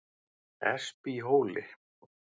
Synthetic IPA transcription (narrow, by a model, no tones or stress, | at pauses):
ɛ̰spiɦoːwlɪ